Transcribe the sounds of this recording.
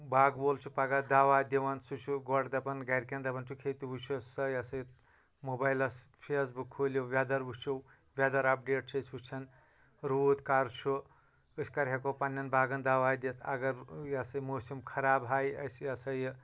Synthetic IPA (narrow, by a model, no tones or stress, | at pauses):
baːɡboːlt͡ʃʰupaɡad̪aːʋaːd̪ʲiʋɐnsut͡ʃʰuɡɔʈd̪ɐpɐnɡɐjɾkʲend̪ɐpɐnt͡ʃʰukʰet̪ibut͡ʃʰussɐjɐsɐjt̪ | mobajlɐspʰes̬bukʰːoliwʋʲad̪ɐɾbut͡ʃʰuw | ʋʲad̪ɐɾɐp̚ɖeːʈ̚t͡ʃʰɐsʲut͡ʃʰɐn | ɾuːt̪kaːɾt͡ʃʰu | ɨsʲkɐɾɦɐkopɐnʲːɐnbaːɡɐnd̪aːʋaːd̪ʲet̪ʰɐ̰ɡɐɾjɐsɐjmoːsimkʰɐɾaːbɦaːjɐ̰sjɐsɐj